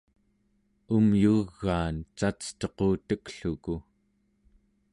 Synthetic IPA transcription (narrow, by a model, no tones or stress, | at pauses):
umjuɣːaːnt͡ʃat͡st̪ʌqoːt̪əkɬuku